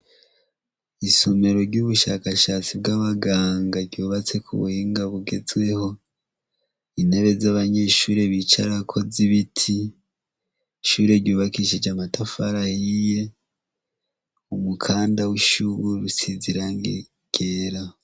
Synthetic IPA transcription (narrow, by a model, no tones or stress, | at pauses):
isome̞ɾo̞ɾɟuβuʃakaʃat͡sib̚ɡaβaɡaːŋɡaɾɟuːβat͡se̞kʰṵβṵhiːŋɡaβuɡe̞zɡwe̞ho̞ | ine̞βe̞zaβaɲe̞ʃuːɾeβit͡ʃaɾakʰo̞ziβitʰi | ʃuːɾe̞ɾɟuːβakiʃed͡ʒamatafaɾahije̞ | umukʰaːndawiʃuβuβisiziɾaŋɡe | ɡ̥eːɾa